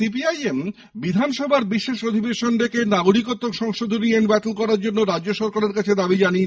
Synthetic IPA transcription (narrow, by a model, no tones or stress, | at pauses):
ipiajem | bid̪ʱanʃɔbʱaɾbiʃːeʃod̪ʱibeʃonɾekenaɡoɾikot̪ːokʃɔŋʃod̪ʱonienbɛt̪olkɔɾaɾd͡ʑonːoɾad͡ʑd͡ʑoʃɔɾkaɾeɾkat͡ɕʰed̪abid͡ʑanie